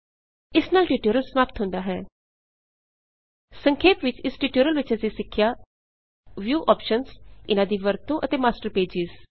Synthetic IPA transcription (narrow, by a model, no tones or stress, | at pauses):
ɪsnaːlʈiːʈuːɾəlsəmaːp̚t̪ɦʊ̃nd̪aːɦɛː | səŋkʰeːpʋɪt͡ʃɪsʈiːʈoːɾəlʋɪt͡ʃəsĩːsɪkʰːɪjaː | ʋjuːʔɔːpʃənsɪnãːd̪iːʋəɾt̪õːʔət̪eːmaːsʈəɾpeːd͡ʒɪz̥